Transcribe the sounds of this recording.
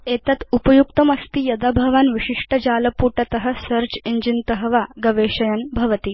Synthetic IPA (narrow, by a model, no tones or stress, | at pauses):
eːt̪ɐt̪upɐjuk̚t̪ɐmɐst̪ijɐd̪abʱɐʋaːnʋiʂiʂʈɐd͡ʒaːlɐpuːʈɐt̪ɐɦɐ̆sɐɾt͡ʃiɲd͡ʒint̪ɐɦʋaɡɐʋeːʃɐjɐnbʱɐʋɐt̪i